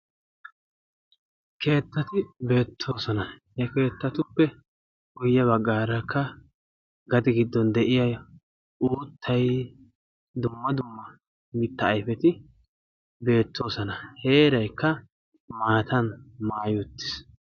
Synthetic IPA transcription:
kʰe̞ːt̪ːɐt̪ɪbe̞ːt̪ʰːo̞ːsɐnɐhɛke̞ːt̪ːɐt̪ʊpːɛ | ɡʊjːɐβɐɡːaːɾɐkʰːɐ | ɡɐd̪ɪɡɪd̪ːɔnd̪ɛʔɪjɐj | ʔuːt̪ʰːɐj | d̪ʊmːɐd̪ʊmːɐ | mɪt̪ːɐːjfɛt̪ɪ | be̞ːt̪ʰːo̞ːsɐnɐhe̞ːɾɐjkːɐ | maːt̪ɐnmaːjʊt̪ːɪ̥s

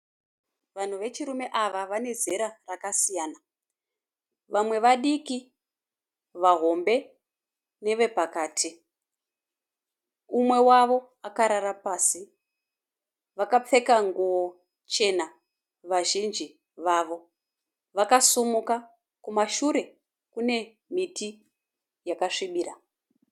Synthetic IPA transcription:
ʋan̤uʋe̞t͡ʃiɾume̞ʔaʋaʋane̞ze̞ɾarakasijaːna | ʋamwe̞ʋaɗiki | ʋaɦo̞mbe̞ | ne̞ʋe̞pakaːtʰi | umwe̞waʋo̞ | akaɾaɾapaːsi | ʋakap͡fe̞kaŋɡuo̞ | t͡ʃe̞na | ʋaʒind͡ʒi | ʋaʋo̞ | ʋakasumuka | kumaʃuɾe̞ | kune̞ | miti | jakaʂiɓiːra

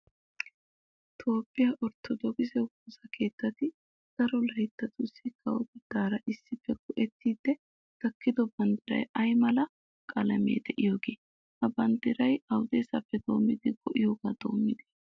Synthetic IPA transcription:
t̪ʰo̞ːpʼːɪjɐʔɔɾt̪ːɔd̪ɔɡɪzɛwuːsɐkʰe̞ːt̪ːɐt̪ɪ | ɡ̥ɐɾɔlɐɪt̪ːɐt̪ʊsɪkɐwɔbɪd̪̥aːɾɐʔɪsːɪfːɛɡʊʔɛt̪ʰːiːd̪ːɛ | t̪ɐkːɪd̪ɔbɐnd̪ɪɾɐ̰jɐjmɐlɐ | kʼɐlɐmḛːd̪ɛʔɪjo̞ːɡeː | hɐbɐnd̪ɪɾɐjɐwʊd̪eːsɐfːɛd̪o̞̰ːmːɪd̪ɪɡɔʔɪjo̞ːɡaːd̪o̞̰ːmːɪd̪ɛ̥

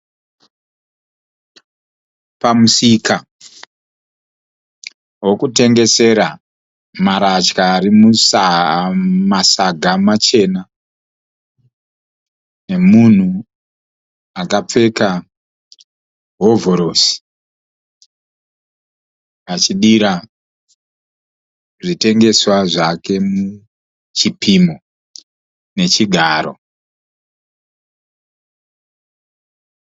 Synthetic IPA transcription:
pamusika | wo̞kute̞ŋɡe̞se̞ɾa | maɾat͡ʃkaːɾimusa | masaɡʱamat͡ʃe̞na | ne̞mun̤u | akap͡fe̞ka | ɦo̞voɾosi̥ | at͡ʃiɗiɾa | ʐite̞ŋɡe̞swaʐake̞mu | t͡ʃipʰimo | ne̞t͡ʃiɡʱaːɾo̞̰

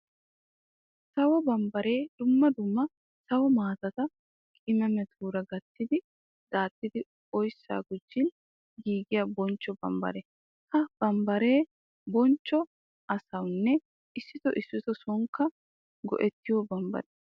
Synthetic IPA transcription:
sɐwɔbɐmbɐɾe̞ːd̪̥ʊmːɐd̪ʊmːɐ | sɐwɔmaːt̪ɐt̪ɐ | kʼɪmɛmɛt̪ʰuːɾɐɡɐt̪ːɪd̪ɪ | d̥aːt̪ːɪd̪ɪ | ɔjsːa̰ːɡʊd͡ʒːɪn | ɡiːɡɪjɐbɔnt͡ʃːɔbɐ̰mbɐ̰ɾɛ | hɐb̥ɐmbɐɾe̞ː | bɔnt͡ʃːɔ | ʔɐsɐwnːɛ | ɪsːɪt̪ɔʔɪsːɪt̪ɔsɔŋkːɐ | ɡɔ̰ʔɛt̪ːɪjɔbɐmbɐ̰ɾɛ

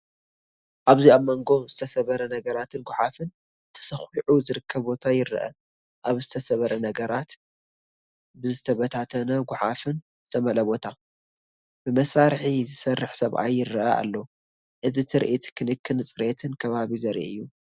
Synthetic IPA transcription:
ʔaβziamɐŋɡo̞zɨt̪ʰɐsɐβɐɾɐnɐɡɐɾat̪ʰɨnɡʊħafɨn | t̪ʰɐ̥sɐxiʕuzɨɾɨkʰːɐβbo̞t̪ʰajɪɾɨ̰ʔɐ̰ | ʔaβzɨt̪ʰɐsɐβɐɾɐnɐɡɐɾat̪ | bɨzɨt̪ʰɐβɐt̪ʰat̪ʰɐnɐɡʊħafɨn | zɨt̪ʰɐmɐlɐbo̞t̪ʰa | b̥ɨmɐsaɾħizɨsɐrːɨħsɐβʔa̰jːɪrːɨʔɐ̰ʔa̰lːɐ | ʔɨzit̪ʰɨɾʔit̪kʰɨnɨkʰːɨnɨt͡sʼɨɾet̪ʰɨnkʰɐβaβizɐɾʔɨjːu

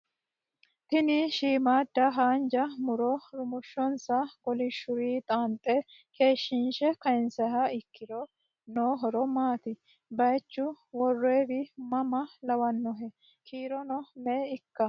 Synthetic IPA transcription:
t̪ɪnɪʃiːmaːd̪ːɐɦaːnd͡ʒɐmʊɾɔɾʊmʊʃːɔnsɐɡ̥ɔlɪʃːʊɾiːt̪ʼaːnt̪ʼe | kʰe̞ːʃːinʃɛkɐɪnsɐɦɐɪkːɪɾɔ | noːɦɔɾɔmaːt̪ɪ | bɐjt͡ʃːʊ | wɔrːeːbɪmɐmɐlɐwɐnːɔɦɛ | kʰiːɾɔnɔmeːɪkːɐ

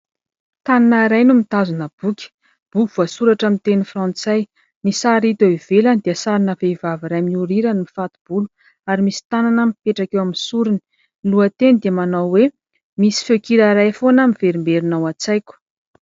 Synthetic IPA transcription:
t̪ananaɾajnumit̪azunəb̥ukʲi̥ | b̥ukuv̥asuɾaʈ͡ʂamit̪enifrãnt͡saj | misaɾit̪oiv̥eland̪iəsaɾinəvevaviɾajmiuɾiɾənimifat̪ib̥ulu | aɾimisi̥t̪ananəmipeʈ͡ʂakewaminsuɾini | luət̪enid̪iamanawwe | misi̥fekiɾaɾajfonəmiveɾimbeɾinawat͡sajkʲu̥

